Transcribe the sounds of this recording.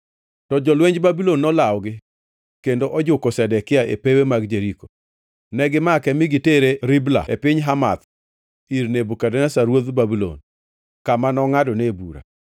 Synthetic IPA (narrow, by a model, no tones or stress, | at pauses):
tɔd͡ʒɔlweɲd͡ʒbabilonːɔlawɔɡɪ | kendoʔɔd͡ʒʊkosɛdɛkɪaʔepewemaɡd͡ʒeɾiko̥ | nɛɡɪmakɛmɪɡɪteɾeɾɪbla̰epɪɲɦama̰t̪ | iɾnebukadɛnasaɾwod̪babilo̰n | kamanɔŋadɔnebṵɾa̰